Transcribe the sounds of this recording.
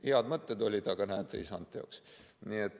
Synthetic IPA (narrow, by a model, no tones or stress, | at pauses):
iɑd̪mət̪ːed̪olʲit̪ɑkɑnæːt̪ːḛḭsɑ̰nt̪ːˑeo̰ksnʲiet̪